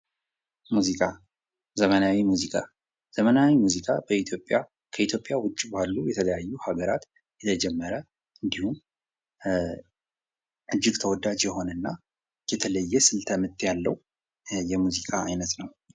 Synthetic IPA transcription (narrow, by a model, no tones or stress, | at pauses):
muzikʼa | zəmənawimuzikʰʼa | z̥əmənawimuzikʰʼabəit̪ʰjo̞pʼja | kʰəit̪ʰjo̞pʼjawʊt͡ʃʼːbalːujɛt̪ʰələjajːuhaɡəɾat̪ | jɛt̪ʰəd͡ʒɛmːəɾə | ʔɨnd̪ihum | ʔɨd͡ʒːɪɡt̪ʰəwɔd̪ad͡ʒjɛho̞nənːa | jɛt̪ʰələjːɛsɨlt̪ʰəmɨt̪ʼːjalːəw | jɛmuzikʼʰaajnət̪nəw